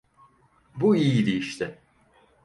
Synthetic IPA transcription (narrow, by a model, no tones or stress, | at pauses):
buijid̪ejiʃt̪ʰɪ